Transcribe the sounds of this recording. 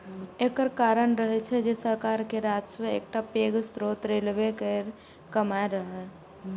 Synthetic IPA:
ekəɾkaɾənɾəɦɛt͡ʃʰɛd͡ʒesəɾkaɾkeɾad͡ʒseḛk̚ʈapeɡst̪ɾot̪ɾelbekeɾ | kəmaeɾəɦɛ

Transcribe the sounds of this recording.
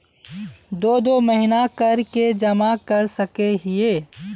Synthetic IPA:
d̪oːd̪oməɦɪnakɐɾked͡ʒɐmakɐɾsəkeɦɪeː

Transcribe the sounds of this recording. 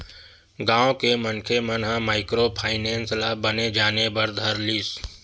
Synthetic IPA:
ɡãːõkemənkʰemənɦãmaːɪkɾopʰaːɪnẽːnslaːbəned͡ʒaːnebɐɾd̪ʱɐɾliːs

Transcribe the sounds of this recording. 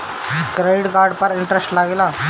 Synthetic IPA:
kɾeiɽkaɾɖpəɾɪɳʈɾesʈlaɡela

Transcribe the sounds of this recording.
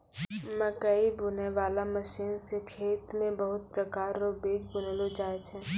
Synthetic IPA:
mə̃kəibʊneʋaːlamɐʃiːnsekʰeːt̪mẽbɐɦʊt̪̚pɾɐkaːɾːobeːd͡ʒbʊnlod͡ʒaːet͡ʃʰɛ̃

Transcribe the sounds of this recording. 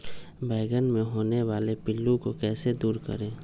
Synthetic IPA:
bɛːɪɡənmẽɦoːneʋaːlepɪlːũkokɛːsed̪uːɾkə̰ɾẽː

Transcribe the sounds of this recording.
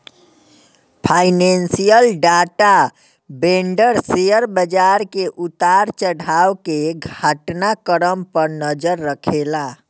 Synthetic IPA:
pʰajnensijəlɖaʈa | beɳɖəɾsejəɾbəd͡ʒaɾkeʔut̪aɾt͡ʃəɽʱawkeɡʱaʈnakəɾəmpəɾnəd͡ʒəɾːəkʰela

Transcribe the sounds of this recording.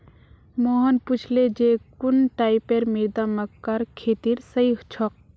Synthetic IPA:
mɔɦənput͡ʃʰled͡ʒekunʈaipeɾmiɾd̪aməkːaɾkʰeːt̪iɾsəiɦt͡ʃʰɔk̚

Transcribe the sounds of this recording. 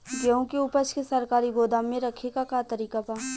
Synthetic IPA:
ɡeũkeʊpət͡ʃkesɐɾkaːɾiɡoːd̪aːmːẽɾɐkʰekakat̪əɾiːkapaː

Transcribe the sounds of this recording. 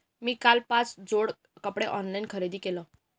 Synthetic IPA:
miːkalpãt͡sd͡zoɽ | kəpɽeʔɔnlainkʰəɾed̪iːkelɔ

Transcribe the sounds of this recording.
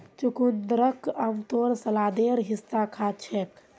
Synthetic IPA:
t͡ʃukund̪ɾəkəmt̪oːɾsəlaːd̪eːɾɦɪsːakʰaːt͡ʃʰɛk

